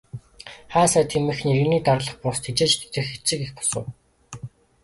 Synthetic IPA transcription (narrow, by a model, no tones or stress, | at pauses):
χaːsæːt̪ʰimɘ̆xneɾɘ̆niːt̪arəɮə̆χpʊst̪ʰet͡ɕeːt͡ɕt̪t̪ɘ̆xet͡sɘ̆kexpʊ̥sə̰̆w